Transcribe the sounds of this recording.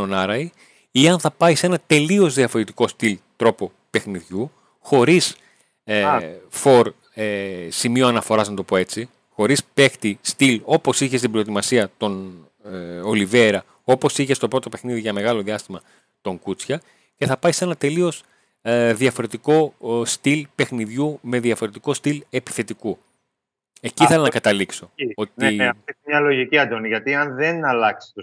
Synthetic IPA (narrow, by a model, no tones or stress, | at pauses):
onɐɾɐi | iɐnθɐpɐise̞nɐt̪e̞lio̞zðiɐfo̞ɾe̞t̪iko̞st̪ilt̪ɾo̞po | pe̞xniðʝu | xo̞ɾis | fo̞ɾ | simioɐnɐfo̞ɾɐznɐt̪o̞po̞e̞t͡si | xo̞ɾispe̞xt̪ist̪ilo̞po̞siçe̞st̪ibɾo̞et̪imɐsiɐt̪o̞n | o̞live̞ɾɐ | o̞po̞siçe̞st̪o̞pɾo̞t̪o̞pe̞xniðiʝɐme̞ɣɐlo̞ðiɐst̪imɐ | t̪o̞ŋɡut͡sçɐ | ce̞θɐpɐjse̞nɐt̪e̞lio̞s | ðiɐfo̞ɾe̞t̪iko̞st̪ilpe̞xniðʝume̞ðiɐfo̞ɾe̞t̪iko̞st̪ile̞pi̥θe̞t̪iku | eciθelɐnɐkɐt̪ɐlikso̞ot̪net̪omɲɐlo̞ʝiciɐd̪oniʝɐt̪iɐnðenɐlɐksi̥t̪u